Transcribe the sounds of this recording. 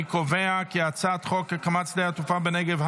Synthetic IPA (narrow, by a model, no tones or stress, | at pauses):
ɪkɔveakiat͡satχɔkəkamat͡sdeatufabɪnɛɡɛvh